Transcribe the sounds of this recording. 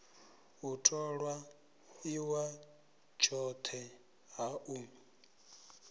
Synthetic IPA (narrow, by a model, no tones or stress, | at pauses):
utʰʼɔɺwa | iwa | t͡ʃʰɔt̪ʰɛ | ɦaʔuːm